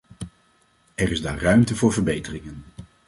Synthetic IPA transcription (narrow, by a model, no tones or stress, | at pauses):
ɛrɪzda̰ːrœɥmtəvʊːɹvəɹbejtərɪŋən